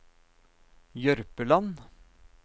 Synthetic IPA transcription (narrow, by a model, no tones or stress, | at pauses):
jœɾpəlɑn